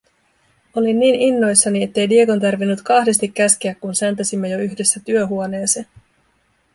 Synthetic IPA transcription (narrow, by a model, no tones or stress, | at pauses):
o̞linːiːninːo̞jsːɑnie̞t̪ːe̞jdieko̞nt̪ærʋinːut̪kɑhde̞st̪ikːæsk̟eækkunsænt̪æsimːe̞jo̞yçde̞sːæt̪yøɦuone̞ːse